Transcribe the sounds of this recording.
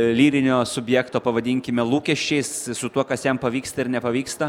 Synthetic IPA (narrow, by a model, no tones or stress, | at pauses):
lʲiːɾʲɪnʲoːsʊbʲjæːkt̪oːpɐʋɐd̪ʲiːŋʲkʲɪmʲɛlˠuːkʲɛʃʲt͡ʃʲɛɪssʊt̪uɔkɐsjɛmpɐʋʲiːkst̪ɐɪɾnʲɛpɐʋʲiːkst̪ɐ